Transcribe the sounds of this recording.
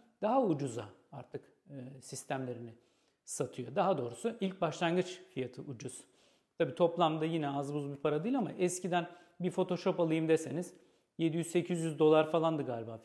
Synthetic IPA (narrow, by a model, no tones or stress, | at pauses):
d̪̥aɦaud͡ʒuzaaɾt̪ʰɯkː | sist̪ʰæmlʲe̞ɾinɪ | sat̪ʰɯjo̞d̪aɦad̪o̞ːɾusuʔilʲc̚baʃlˠanɡɯt͡ʃfijat̪ʰɯʔud͡ʒuz̥ | t̪ʰabiːt̪ʰo̞plˠamd̪ajinɛazmuzbipʰaɾad̪iːlʲama̰ʔɛscid̪æn | bifo̞t̪ʰo̞ʃo̞palˠɯjɯmd̪ese̞niz | je̞d̪ijyzse̞cʰizjyzd̪o̞lˠaɾfalˠand̪ɯɡaːlʲibaː